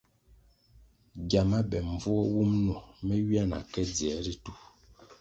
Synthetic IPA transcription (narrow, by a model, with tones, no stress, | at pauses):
ɡja˨ma˦bɛ˨ɱ˨vu˦ɔ˦wu˦mnu˨mɛ˦ɥi˦a˦na̰˨kɛ˦d͡zi˨ɛ˨˦ɾi˦tu˦˨